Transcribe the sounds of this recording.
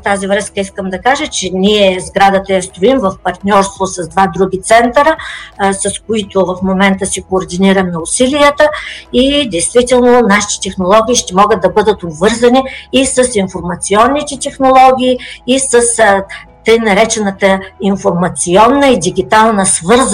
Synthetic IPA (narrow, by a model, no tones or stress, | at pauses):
ft̪azivɾəskəiskəmd̪ɐkaʒət͡ʃɛniɛzɡɾad̪ət̪əjɐst̪ɾoimvɐfpɐɾt̪nʲɔɾst̪vosɐzd̪vad̪ɾuɡʲit̪sɛnt̪əɾəsɐskoit̪ʊvɐfmomɛnt̪əsikoːɾd̪iniɾəmnɐʊsilijət̪əid̪ɛjst̪vit̪ɛlˠnonaʃi̥t̪ɛ̥t̪ɛxnolˠɔɡʲiːʃt̪ɛmɔɡət̪̚ːɐbɤd̪ət̪obvɤɾzɐniːsəsinfoɾmɐt̪siɔnːit̪ɛt̪ɛxnolˠɔɡʲiːisəst̪əjnɐɾɛt͡ʃɛnət̪əinfoɾmɐt̪siɔnːəid̪iɡʲit̪alˠnəsvɤɾz